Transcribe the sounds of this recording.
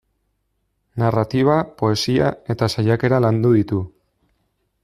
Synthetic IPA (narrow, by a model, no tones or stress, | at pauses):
narat̪iβ̞apo̞e̞siae̞t̪asajake̞ɾaland̪uðit̪u